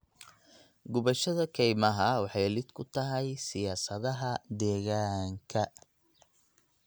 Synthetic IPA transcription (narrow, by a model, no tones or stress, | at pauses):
ɡʊβɐʃɐðɐkʰɛjmɐɦɐwɑħɑjlɪd̪kʰʊt̪ʰɐɦɛjsɪjaːsɐðɐɦɐd̪ɛːɣaːŋkʰɐ